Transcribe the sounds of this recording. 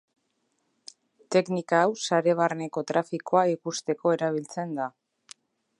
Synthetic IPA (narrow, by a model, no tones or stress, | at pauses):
t̪e̞knikaːwsaɾe̞β̞arne̞ko̞t̪ɾafikoaikust̪e̞ko̞e̞ɾaβ̞ilt͡se̞nd̪a